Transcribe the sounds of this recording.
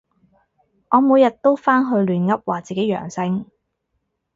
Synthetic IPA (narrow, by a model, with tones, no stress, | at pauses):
ŋɔː˨˧muː˨˧jɐ˨t̚t̪o˥wfaː˥nɦɵ˧ɥlyː˨˩nŋɐ˥p̚waː˨˩t͡siː˨ke˨˥jɥœ̰ː˨˩ŋsɪ˥ŋ